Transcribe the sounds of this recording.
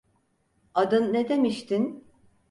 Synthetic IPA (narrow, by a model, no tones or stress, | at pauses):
ad̪ɯnːed̪emiʃt̪ʰin